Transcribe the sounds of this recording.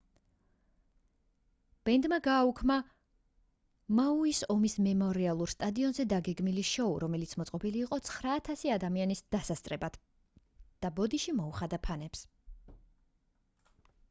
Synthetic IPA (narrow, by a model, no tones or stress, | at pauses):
b̥ɛnd̪maɡaːukʰma | mauisɔmismɛmɔɾialˠuɾst̪ʼad̪iɔnzɛd̪aɡɛɡmiliʃɔuɾɔmɛlit̪sʰmɔt̪sʼɔbiliːqʼɔt̪sʰχɾaːt̪ʰasiad̪amianisd̪̥asast̪ʼɾɛbad̪̥ | d̪̥abɔd̪iʃimɔuχad̪apʰanɛps